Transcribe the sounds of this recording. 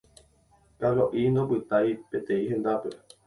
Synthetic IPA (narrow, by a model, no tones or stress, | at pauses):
kaɾoʔind̪opɨt̪ajpet̪ẽihẽ̞nd̪ape